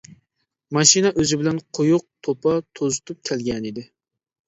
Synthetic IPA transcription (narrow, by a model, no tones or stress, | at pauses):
mɑʃinɛʔøzɪbɪlɛnqʰojuq̚t̪ʰopʰɑt̪ʰozɨt̪ʰup̚kʲʰɛlɡʲɛnid̪ɪ